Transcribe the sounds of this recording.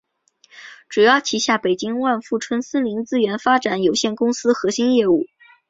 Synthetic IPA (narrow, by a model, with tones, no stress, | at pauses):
ʈ͡ʂu˨˩jɑ˥˩ʊt͡ɕʰi˧˥ɕja˥˩pe˨˩ɪt͡ɕi˥ŋwa˥˧nfu˥˩ʈ͡ʂʰwə˥nsə˥nli˧˥ŋt͡sɹ̩˥ɥɛ˧˥nfa˥ʈ͡ʂa˨˩˦njo˨˩ʊɕjɛ˥˩nkʊ˥ŋsɹ̩˥xɤ˧˥ɕi˥njɛ˥˧u˥˩